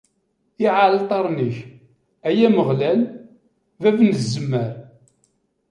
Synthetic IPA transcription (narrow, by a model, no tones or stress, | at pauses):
iʕallt̪ˤɑɾˤnəç | æjæməʁlæl | vævnzːəmːəɾ